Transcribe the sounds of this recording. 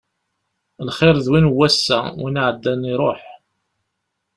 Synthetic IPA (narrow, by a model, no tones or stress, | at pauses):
lχɪɾðwinwːæsːæ̰winʕəd̪ːæniɾˤoħ